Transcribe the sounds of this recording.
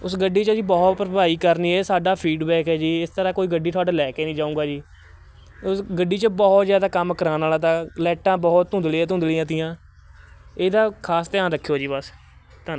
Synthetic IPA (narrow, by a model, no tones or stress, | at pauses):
ʊsɡəɖːiːt͡ʃəziːbɔːt̪pɾəbaːiːkəɾniːɛːsaːɖaːpʰiːɖbɛːkɦɛːd͡ʒiːɪst̪əɾãːkoːiːɡəɖiːt̪ʰoaːɖeːlɛːkeːnĩːd͡ʒaːũːɡaːd͡ʒiː | ʊsɡəɖːiːt͡ʃəbɔːt̪zjaːd̪aːkəmkəɾãːnaːlaːt̪ãːlɛːʈãːbɔːt̪ɦʊ̃nd̪lɪãːt̪ʊ̃nd̪liãːt̪ɪjãː | eːd̪aːkʰaːst̪ɛãːd̪əkʰːjoːd͡ʒiːbəs | t̪ʰaː